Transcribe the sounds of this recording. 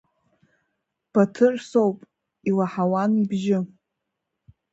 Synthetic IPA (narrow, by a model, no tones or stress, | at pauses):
b̥atʰɨrsowpʼ | ilaħawanibʒɪ